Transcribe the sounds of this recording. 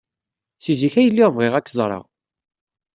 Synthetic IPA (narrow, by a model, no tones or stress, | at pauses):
siziçæjəlːɪʁvʁeʁækːzˤɾˤɑ̰